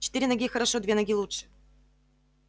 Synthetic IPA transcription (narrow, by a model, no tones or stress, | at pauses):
t͡ɕɪ̥t̪iɾʲɪnɐɡʲixəɾɐʂod̪vʲenɐɡʲilˠuʂɨ̥